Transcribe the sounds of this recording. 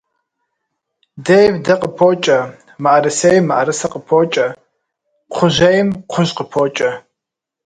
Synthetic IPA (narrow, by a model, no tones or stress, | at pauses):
dejvdɐqəpʰoːt͡ʃʼɐ | maʔɐɾɨsejmːaʔɐɾɨsɐqəpʰoːt͡ʃʼɐ | qʷʰʊʑɐjmqʷʰʊʑqəpʰoːt͡ʃʼɐ